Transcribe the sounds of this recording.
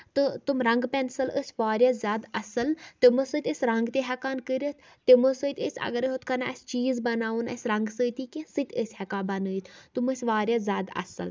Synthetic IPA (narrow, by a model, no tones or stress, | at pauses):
t̪ɨt̪umɾɐŋɡpɛnsɐləsʲʋaːɾʲjɐzʲaːd̪ɐsɐlt̪imɨsɨt̪ʲəsʲɾɐŋɡt̪eɦɛkaːnkəɾət̪ʰ | t̪imɨsɨːt̪ʲəsʲɐ̰ɡɐɾiɦot̪kɐnɐsʲt͡ʃiːzbɐnaːʋunɐ̰sʲɾɐŋɡsəːt̪ikẽsɨt̪ʲəsʲhɛkaːbɐnɨːjt̪ʰt̪uməsʲʋaːɾjɐzʲaːd̪ɐ̰sɨ̰l